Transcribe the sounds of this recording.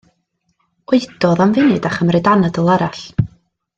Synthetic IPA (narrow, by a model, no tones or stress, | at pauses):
weɨd̥ɔðamvɪnɨdaχəmrɪdanədəlˠɛɾaɬ